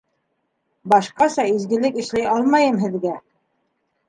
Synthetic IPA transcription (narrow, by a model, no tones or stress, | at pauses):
bɑʃqɑsɑizɡɘ̆lɘkɘ̆ʃlæjɑlˠmɑjɤmɦɘ̆ðɡæ